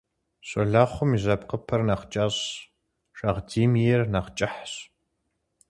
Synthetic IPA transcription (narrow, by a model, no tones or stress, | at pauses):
ɕʼɔɮaːχʷʊmizɐp̚qəpʰɐrnɐqt͡ʃʼaːɕ | ʂʼɐʁd͡ziːmijɛrnaqt͡ʃʼɪħɕ